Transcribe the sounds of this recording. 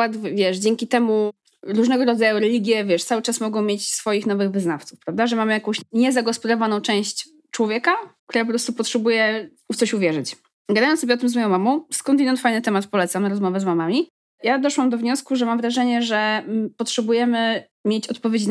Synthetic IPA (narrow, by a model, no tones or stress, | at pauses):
wat̪vʲjɛʂd͡ʑɛŋkʲit̪ɛmu | ɾuʐnɛɡɔɾɔd̪zajuɾɛlʲiɡʲjɛvʲjɛʂt̪sawɘt͡ʂasmɔɡɔ̃w̃mʲjet͡ɕsfɔjixnɔvɘɣvɘznaft̪sufpɾavd̪aʐɛmamɘjakɔ̃w̃ɕɲɛzaɡɔspɔd̪avanɔ̃w̃t͡ʂɛ̃w̃ɕt͡ɕ | t͡ʂwɔvʲjɛkak̚t̪uɾap̬ɔpɾɔst̪upɔtʂɛbujɛ | ut̪sɔɕuvʲjɛʐɘt͡ɕ | ɡad̪ajnsɔbʲɛɔt̪̬mzmɔjɔ̃w̃mamɔ̃w̃skɔnt̪ɛd̪ɛnfajnɘt̪ɛmat̪pɔlɛt̪samnaɾɔzmɔvɛzmamamʲi | jad̪ɔʂwamd̪ɔvɲɔskuʐɛmamvɾaʐɛɲɛʐɛpɔtʂɛbujɛmɘ | mʲjɛt͡ɕɔt̪pɔvʲed͡ʑi